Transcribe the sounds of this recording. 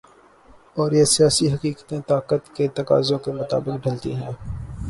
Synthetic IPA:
ɔːɾjesijaːsiɦɐkiːkət̪ẽt̪aːkət̪ket̪ɐka̰ːzõkemʊt̪a̰ːbɪkɖʱɐlt̪ḭɦɛ̃ː

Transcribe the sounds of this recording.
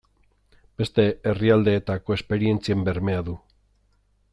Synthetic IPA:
b̥e̞st̪e̞eriald̪e̞ːt̪ako̞e̞spe̞ɾie̞nt͡siembe̞ɾme̞aðu

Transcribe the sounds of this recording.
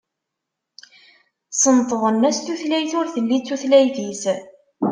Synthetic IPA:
sənt̪ˤðˤənːæst̪uθlæjθʊɾθəlːit͡sːuθlæjθis

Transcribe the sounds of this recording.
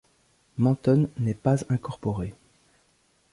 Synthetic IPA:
mɑ̃t̪ɔnːɛpazɛ̃kɔʁpɔʁe

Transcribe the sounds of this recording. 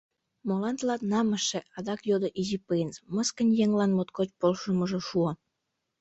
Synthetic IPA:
molɑnt̪lɑt̪nɑməʃĕɑd̪ɑkjod̪oʔizipejnsməskənʲjeŋlɑnmot̪kot͡ɕpolʃəməʒoʃuo

